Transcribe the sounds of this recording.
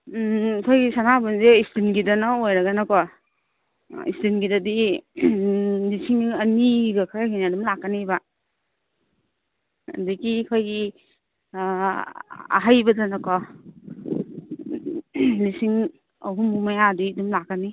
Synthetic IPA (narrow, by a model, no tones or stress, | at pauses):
kʰojɡisanabunzeistinɡidɐnaojɾɐɡanakɔ | ḭstinɡidadi | lisiŋɐniɡakʰɾaɡiniɐdumlakːaniba | dikikʰojɡi | a̰ɦajbɐdɐnɐkɔ | lisiŋ | ɐ̰ɦumumajadidumlakːani